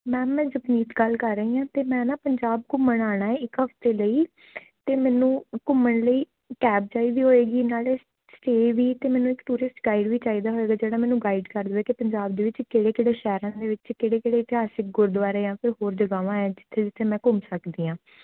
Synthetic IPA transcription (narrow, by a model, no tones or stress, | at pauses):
mɛ̃ːmɛ̃ːzəbniːt̪ɡəlkəɾːəiːãːt̪eːmɛ̃ːnaːpəɲd͡ʒaːb̚kʊməɳaːɽ̃aːɛːɪkɦəft̪eːləiː | t̪eːmɛːnũːkʊməɳləiː | kɛːp̚t͡ʃaːiːd̪iːɦoːeːɡiːnaːleː | sʈeːʋiːt̪eːmɛːnũːɪkt̪uːɾɪsʈɡaːiɖʋiːt͡ʃaːiːd̪aːɦoːeːɡaːd͡ʒeːɽaːmɛːnũːɡaːiɖkəɾd̪eːkepəɲd͡ʒaːb̚d̪eːʋɪt͡ʃkeːɽeːkeːɽeːʃɛːɾãːd̪eːʋɪt͡ʃkeːɽeːkeːɽeːɪt̪ɪɦaːsɪk̚ɡʊɾd̪ʊʋaːɾeːãːpʰɪɾɦoːɾd͡ʒəɡaːʋãːɛːd͡ʒɪt̪ʰːeːd͡ʒɪt̪ʰːeːmɛ̃ːkʊmsəkd̪iːãː